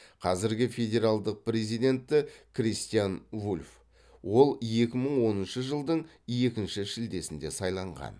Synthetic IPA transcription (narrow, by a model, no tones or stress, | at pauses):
qʰɑzɪɾɡʲɪfe̞dʲe̞ɾalˠd̪əq̚pre̞zijd̪ʲe̞nt̪ːɪkʰrist̪ijanvulʲf | wo̞lˠje̞kʲɪməɴwo̞nənʃəʒəlˠd̪əɴ | je̞kʲɪnʃɪʃɪld̪e̞sɪnd̪e̞sɑjlˠɑɴʁɑ̰n